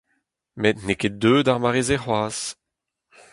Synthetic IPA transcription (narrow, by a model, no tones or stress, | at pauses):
met̪nekedøːdaʁmaʁezeχwaːs